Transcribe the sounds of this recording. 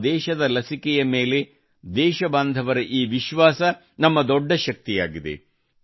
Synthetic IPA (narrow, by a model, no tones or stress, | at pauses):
d̪ɛːʃɐd̪ɐlɐsikɛjɐmeːle̞ | d̪ɛːʃɐbaːnd̪ʱɐʋɐɾɐʔiːʋiʃʋaːsɐ | nɐmːɐd̪ɔɖːɐʃɐk̚t̪ija̰ːɡid̪ḛ